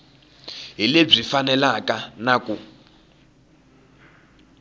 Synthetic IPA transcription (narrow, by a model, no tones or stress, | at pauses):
ɦileb͡ʐifanɛlakanakʼu